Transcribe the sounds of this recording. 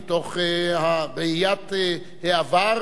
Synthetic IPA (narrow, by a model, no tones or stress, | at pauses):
t̪oχhabeijat | heavaɾ